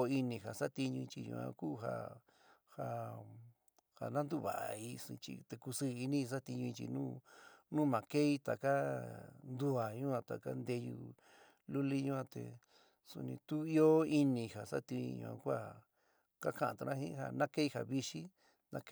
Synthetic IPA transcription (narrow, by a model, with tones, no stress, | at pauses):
i˧nĩ˧ɦa˨sa˦t̪i˧ɲũ˧ĩ˧t͡ʃi˧ṵ̃˧ã̰˧kuː˦˧ɦa̰˧ | ha˧ | ha̰˨nã˦nd̪u˦βa̰˨ʔa˨i˧sĩ˧t͡ʃḭ˧t̪e˧ku˧sɨ˦˧i˧nĩ˦i˧s̬a˦t̪i˧ɲũ˧ĩ˧t͡ʃḭ˧nũː˦nũ˦mã˨ke˦i˦t̪a˨ka˦nd̪u˧a˨ɲũ˦ã˧t̪a˨ka̰˦nd̪e˧jṵ˧ | lu˦li˦ɲũ˦ã˧t̪ḛ˨ | sṵ˧nĩ˧t̪u˦i˦o˦i˧nĩ˧ha˨sa˦t̪i˧ɲḭ̃˧ɲṵ̃˧ã̰˧kʷa˦ | ka˦kã˦˨ʔã˨t̪u˧nʔã˦hĩ˦ɦa˧nã˦ke˦i˦˧ha˨βi˧ʃi˦ | nã˦